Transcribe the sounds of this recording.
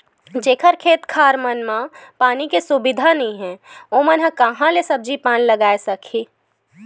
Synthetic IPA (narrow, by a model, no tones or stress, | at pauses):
d͡ʒeːkʰəɾkʰeːt̪kʰaːɾmənmãpaːnikesʊbɪd̪ʱanəĩɦɛ̃oːmənɦɐ̃kɐɦãlesɐb̚d͡ʒipaːnləɡaːesɐkʰiː